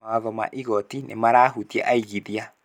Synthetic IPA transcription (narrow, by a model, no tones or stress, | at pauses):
awaðɔma̰ʔiɣɔtinʔḛmaɾaːɦutiɛ̰ʔaiɣiðia